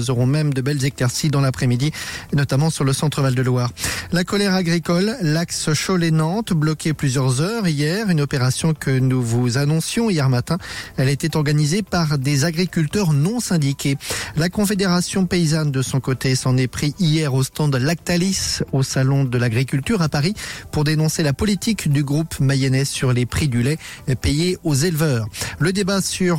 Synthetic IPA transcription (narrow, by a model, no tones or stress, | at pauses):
zɔʁɔ̃mɛmd̪əbɛlzeklɛʁsid̪ɑ̃lapχɛmid̪inɔt̪amɑ̃syʁləsɑ̃t̪χəvald̪əlwaːʁlakɔlɛʁaɡʁikɔlːaksʃolenɑ̃t̪blɔkʲeplyzjœʁzœʁijɛʁynɔpeʁasjɔ̃kənuvuzanɔ̃sjɔ̃ijɛʁmat̪ɛ̃ɛlɛt̪ɛt̪ɔʁɡanizepaʁd̪ezaɡʁikʲylt̪œʁnɔ̃sɛ̃d̪ikʲelakɔ̃fed̪eʁasjɔ̃peizand̪əsɔ̃kot̪esɑ̃nɛpχiʔijɛʁost̪ɑ̃d̪lak̚t̪alisosalɔ̃d̪əlaɡʁikʲylt̪yʁapaʁipuʁd̪enɔ̃selapɔlit̪ikd̪yɡʁupmajɛnɛsyʁlepχid̪ylɛpejeozelvœːʁləd̪ebasyʁ